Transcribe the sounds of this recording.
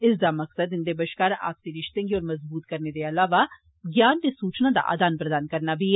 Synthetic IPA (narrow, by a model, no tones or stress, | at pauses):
ɪsd̪amɐksəd̪ɪnd̪ebəʃkaːɾa̰ːp̚siɾɪʃt̪ẽɡiɔːɾmɐzbuːt̪kɐɾned̪eɐlaːʋa | ɡjaːnt̪esuːt͡ʃnad̪a̰ʔa̰ːd̪aːnpɾəd̪aːnkɐɾnabʱi